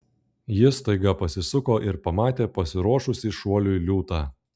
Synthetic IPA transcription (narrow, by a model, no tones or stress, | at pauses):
jɪst̪ɐɪɡɐpɐsʲɪsʊkoːʔɪɾpɐmɑːt̪ʲeːpɐsʲɪɾuɔʃʊsʲɪʃuɔlʲʊilʲuːt̪ɑː